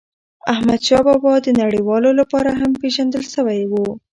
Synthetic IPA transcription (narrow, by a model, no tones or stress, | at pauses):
ahmad̪ʃɑbɑbɑd̪ənaɽiwɑlolapɑɾaɦampeʒand̪əlʃəwajwu